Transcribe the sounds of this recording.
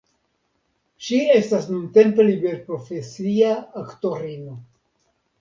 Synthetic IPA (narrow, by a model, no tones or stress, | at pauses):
ʃie̞stasnunte̞mpe̞libe̞ɾpɾo̞fe̞siaːkto̞ɾino̞